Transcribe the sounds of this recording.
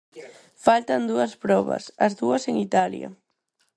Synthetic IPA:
falt̪and̪uaspɾɔβa̰sazðuaseŋit̪alja̰

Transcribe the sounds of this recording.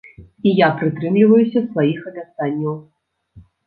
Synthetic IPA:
ijapɾɨt̪ɾɨmlʲivɐjusʲɐsvajixɐbʲat̪anʲːɐw

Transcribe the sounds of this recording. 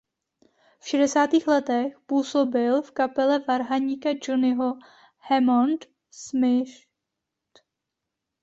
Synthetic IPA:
fʃɛdɛsaːt̪iːxlɛt̪ɛxpuːso̞bɪlfkapɛlɛvaɾɦaɲiːkad͡ʒonɪɦo | hɛmont̪ | smɪʃ | t̪

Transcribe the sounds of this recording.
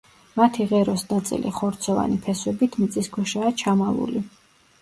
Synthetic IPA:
mat̪ʰiʁɛɾɔsnat̪sʼḭliχɔɾt̪sʰɔva̰nipʰɛswɛbit̪ʰmt̪sʼiskʰɛʃaːt͡ʃʰamavṵli

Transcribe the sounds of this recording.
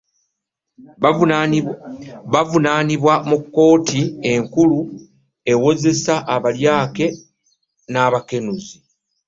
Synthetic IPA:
βavunaːniβwamukːo̞ːtie̞ŋkulu | e̞wo̞ze̞saʔːβaljaːke̞ | naːβake̞nuzi

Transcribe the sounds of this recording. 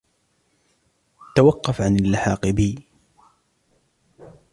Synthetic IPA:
t̪awɑqːɑfʕanalːaħɑːqɨbiː

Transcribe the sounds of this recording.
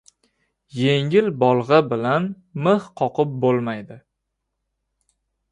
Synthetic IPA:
jeŋɪlbɒlˠʁɑbɪlan | mɨhqʰɒqʰɨp̚bolˠmajd̪ɪ

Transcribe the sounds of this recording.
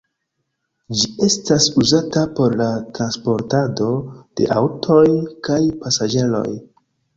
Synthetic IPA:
d͡ʒie̞stasuzatapo̞ɾlatɾanspo̞ɾtado̞d̥e̞̰ʔawtʰo̞jkajpasad͡ʒe̞lo̞̰j

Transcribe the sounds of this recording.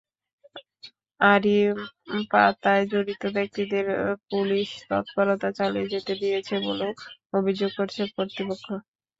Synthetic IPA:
aɾipat̪aed͡ʑoɾit̪obek̚t̪id̪eɾpuliʃt̪ɔ̰t̪paɾot̪at͡ɕalied͡ʑet̪ed̪ijet͡ɕʰebo̰leobʱid͡ʑoɡ̚koɾt͡ɕʰekoɾt̪ipokʰːo

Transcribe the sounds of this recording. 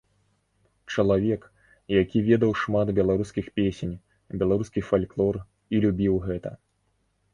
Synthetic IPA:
t͡ʂɐlˠavʲɛk | jakʲivʲɛd̪ɐwʂmat̪bʲɛlˠaɾuskʲixpʲesʲenʲ | bʲɛlˠaɾuskʲifalʲklˠɔr | ilʲubʲiwɣɛt̪ɐ̰

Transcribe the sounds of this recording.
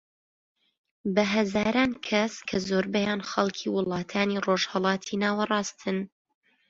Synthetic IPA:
bɐɦɐzaːɾaːnkʰɐskʰɐzoːɾbɛjaːnxɐlˠkʰiwɨlˠɑːt̪ʰaːniroːʒhɐlˠɑːt̪ʰinaːwɐrˤɑːst̪ʰɨn

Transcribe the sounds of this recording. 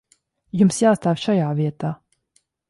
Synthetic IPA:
jumsjaːst̪aːfʲʃajaːviɛt̪aː

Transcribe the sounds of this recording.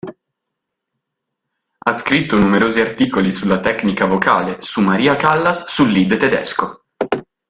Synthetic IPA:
askɾit̪ːonumeɾoːziart̪iːkolisulːat̪ɛknikavokaːlesumːaɾiːakalːasːulːid̪t̪ed̪ɛ̰sko

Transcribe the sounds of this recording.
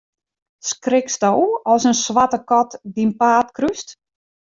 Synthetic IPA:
skrɪksdowɔsənsʋatəkɔtdinpaːtkryst

